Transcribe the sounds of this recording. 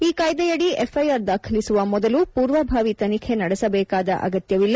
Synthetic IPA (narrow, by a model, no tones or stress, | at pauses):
iːkaːjd̪ɐjɐɽiefʰɐjaːɾd̪aːkʰɐlisuʋɐmɔd̪ɐlupuːɾʋɐbʱaːʋit̪ɐnikʰe̞nɐɽɛsɐbɛːkaːd̪ɐ̰ʔɐ̰ɡɐt̪jɐʋilːɐ